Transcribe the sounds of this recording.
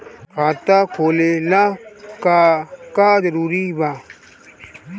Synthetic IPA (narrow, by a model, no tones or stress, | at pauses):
kaːt̪aːkʰoːleːlaːkakaːd͡ʒəɾuːɾibaː